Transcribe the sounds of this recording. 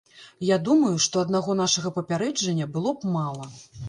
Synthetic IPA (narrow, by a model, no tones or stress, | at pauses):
jad̪umɐjuʂt̪ɔɐd̪naɣɔnaʂɐɣɐpɐpʲaɾɛd͡ʐɐnʲːɐbɨlˠɔbmalˠɐ